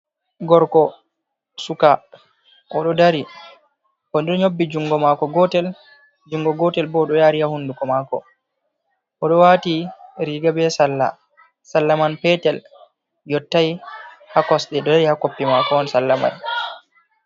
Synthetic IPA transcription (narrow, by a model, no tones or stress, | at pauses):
ɡɔɾkɔ | suka | ʔɔɗɔdaɾi | ʔɔnɗɛɗɔɲobːid͡ʒuŋɡɔmakɔɡɔtɛl | d͡ʒuŋɡɔɡɔtɛlbɔɗɔjaːɾihahundukɔmaːkɔ̰ | ʔɔɗɔwaːtiɾiɡabɛsalːa̰ | salːamanpɛtɛl | jɔtːajhakɔsɗɛɗɔdaɾihakopːimakɔɔnsalːama̰j